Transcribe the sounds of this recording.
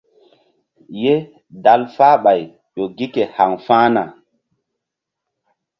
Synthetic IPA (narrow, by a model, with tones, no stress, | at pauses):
je˦ | da˨lfaː˦ɓa˨j | ɗo˨ɡi˦ke˨ha˨ŋfãː˦na˨